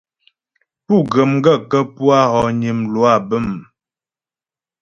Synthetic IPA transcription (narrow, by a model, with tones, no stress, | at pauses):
pu˦˨ɡə˨mŋ˦ɡə˦˨kə˦pu˦a˦ɣɔ˨ɲi˨mlwa˦˨bə˦˨m